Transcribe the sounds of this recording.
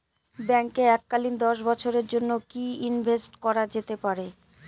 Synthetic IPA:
bɛŋkeɛkːalind̪ɔʃbɔt͡ɕʰoɾeɾd͡ʑonːokiinbʱesʈkɔɾad͡ʑet̪epaɾe

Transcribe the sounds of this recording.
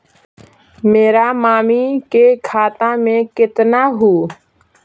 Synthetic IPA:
meːɾaːmaːmiːkekʰaːt̪ãːmẽːkɪt̪naːɦuː

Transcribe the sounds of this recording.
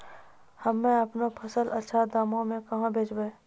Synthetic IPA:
hɐmːẽɐpnapʰəsəlʔɐtːʃʰad̪aːmõmẽkɐɦãbʱeːt͡ʃbeː

